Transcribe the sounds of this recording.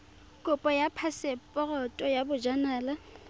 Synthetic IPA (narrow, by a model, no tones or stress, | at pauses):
kʼʊpʼɔjapʰasɪpʼɔrɔtʼɔjabʊd͡ʒanaːla